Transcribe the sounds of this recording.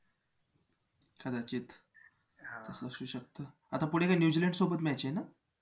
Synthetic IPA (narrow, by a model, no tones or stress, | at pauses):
kʰad̪at͡ɕiːt̪ | t̪əsəsuːɕək̚t̪ə | at̪apuɽ̤̃ekajnjud͡ʑiləɳɖsobət̪mɛat͡ɕena